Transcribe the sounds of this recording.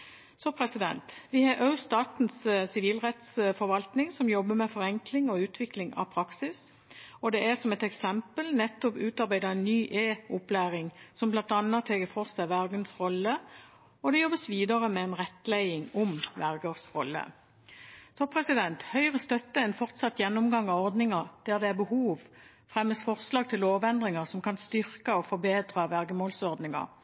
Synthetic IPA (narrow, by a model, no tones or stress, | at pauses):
sɔpʰɾɛsɪd̪ɛ̰nt̪ʋɪhɑʔɑʉst̪ɑːt̪n̩ssɪʋiːlʁɛt̪sfɔɾʋɑlt̪nɪŋsɔmjɔbːəmɛfɔʁɛŋklɪŋɔʉːt̪ʰʋɪklɪŋɑ̰pʰɾɑksɪs | ɔd̪ɛæʁsɔmɛt̪ɛksɛmpəlnɛt̪ːʊpʉːt̪ɑɾbæɪd̪ɑɛnnyːʔeːʊplæːʁɪŋsɔmblɑnt̪ɑnət̪ʰːɛːɡəfɔʁsæʋæʁɡ̪ənsʁɔlːə | ɔd̪ɛjɔbːəsʋiːd̪əʁəmɛɛnʁɛt̪ːlæɪɪŋɔmʋæʁɡəʁsʁɔlːə̰ | sɔpʰʁɛsɪd̪ɛnt̪hœʏəʁəst̪œt̪ːəɛnfɔʁt̪sɑt̪jɛnːɔmɡɑŋːɑɔɾd̪nɪŋɑʁd̪̥æʁd̪ɛæʁbəhuːʋ | fɾɛmːəsfɔʁslɑːɡ̚t̪ʰɪloːʋɛnd̪ʁɪŋəʁsɔmkɑnst̪ʏɾkəɔfɔɾbeːd̪ɾɑʋæʁɡəmoːlsɔʁd̪nɪŋɑ̰ɾ